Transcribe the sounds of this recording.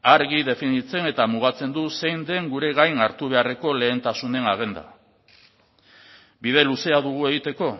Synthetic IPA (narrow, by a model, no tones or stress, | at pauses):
aɾɣiðe̞finit͡se̞ne̞t̪amuɣ̞at͡se̞nd̪use̞jnd̪e̞ŋɡuɾe̞ɣajnaɾt̪uβ̞e̞are̞ko̞le̞ːnt̪asune̞naɣ̞e̞nd̪a̰ | bið̞e̞luse̞aðuɣ̞ue̞ɣit̪e̞ko̞